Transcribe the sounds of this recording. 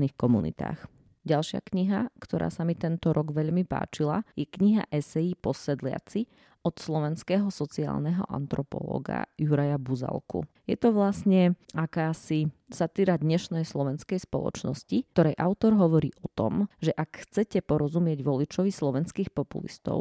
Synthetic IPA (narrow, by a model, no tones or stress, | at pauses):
niːxkɔmunḭt̪a̰ːx | ɟalʃɪa̰kɲiɦakt̪ɔɾʔa̰ːsamit̪ɛnt̪ɔɾʔɔɡʋɛʎmipa̰ːt͡ʃila̰jɛkɲiɦa̰ʔɛsɛjipɔsɛd̪lɪa̰t͡si | ɔt̪slɔʋɛnskɛːɦɔsɔt͡sia̰ːlnɛɦɔ̰ʔa̰nt̪ɾɔpɔ̰lɔ̰ːɡa̰juɾajabuza̰lˠkṵ | jɛt̪ɔʋlasɲɛakaːsisat̪iːɾad̪ɲɛʃnɛjslɔʋɛnskɛjspɔlˠɔ̰t͡ʃnɔscit̪ɔɾɛjʔaʊt̪ɔɾɦɔʋɔɾḭːʔɔt̪ɔ̰mʒɛʔakxt͡sɛcɛpɔɾɔzumɪɛɟʋɔlit͡ʃɔʋislɔʋɛnskiːxpɔpṵlḭst̪ɔ̰ʊ